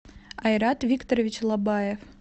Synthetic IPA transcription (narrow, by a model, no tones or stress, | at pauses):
ɑjɾɑt̪vʲikt̪oɾovʲit͡ɕlˠɑbɑjef